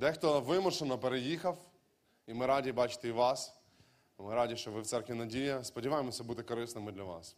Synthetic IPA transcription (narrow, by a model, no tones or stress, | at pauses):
d̪ɛxt̪ɔʋɪmʊʃenɐpeɾejixɐf | imɪɾadʲibat͡ʃɪ̥t̪eiʋas | mɪɾadʲiʃt͡ʃɔʋɪft̪sɛrkʋʲinɐdʲijɐspɐdʲɪʋajɪmɔsʲɐbut̪ɛkɐɾɪsnɐmɪd̪lʲɐʋa̰s